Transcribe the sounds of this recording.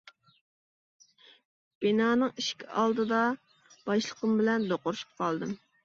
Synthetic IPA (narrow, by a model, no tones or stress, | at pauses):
b̥inɑːnɨŋiʃkʲɑ̰lˠd̪ɨd̪ɑ | b̥ɑʃlˠəqəmbɪlɛnd̪oqʊɾʃu̥p̚qʰɑlˠd̪ɨm